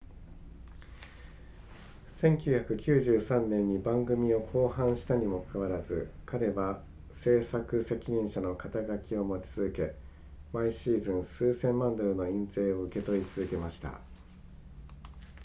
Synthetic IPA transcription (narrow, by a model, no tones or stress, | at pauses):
sẽ̞ŋkʲɨːçakɯ̟kʲɨːʑɨːsãnːẽ̞ɲ̟ːibãŋɡɯ̟mʲio̞kʰo̞ːhãɰ̃ɕi̥t̪aɲ̟imo̞kʰɯβaɾazɨkʰaɾe̞ba | se̞ːsakɯ̟se̞kʲiɲ̟ĩɰ̃ɕano̞kat̪aɡakʲio̞mo̞t͡ɕi̥t͡sɨzɨke̞ | maiɕiːzɨ̃ɰ̃sɨːsẽ̞mːãnd̪oɾɯ̟no̞ĩnze̞ːo̞ɯ̟ke̞t̪o̞it͡sɨzɨke̞maɕi̥t̪a̰